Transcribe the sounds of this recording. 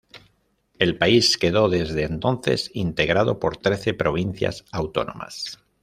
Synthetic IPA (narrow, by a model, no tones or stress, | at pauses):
e̞lpaiske̞ðo̞ðe̞zðeːnt̪o̞nθe̞̰sint̪e̞ɣɾað̞o̞poɾt̪ɾe̞θe̞pɾo̞β̞in̟θja̰sawt̪o̞̰nõ̞̰ma̰s